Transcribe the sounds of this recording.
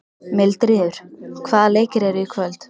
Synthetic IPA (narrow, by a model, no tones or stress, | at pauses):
mɪlt̪ɾɪːðʏɾ̥kʰvaːðaleːjcɪɾɛɾɪkʰvœlt̪